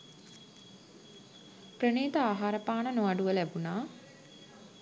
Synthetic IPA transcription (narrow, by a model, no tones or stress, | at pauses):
prəneːt̪əaːɦaːɾəpaːɳənoʋaɖuʋəlæbunaː